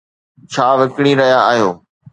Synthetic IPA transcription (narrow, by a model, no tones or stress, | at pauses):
t͡ɕʰaːʋɐkɽ̃iɾɐɦijaaːɦijoː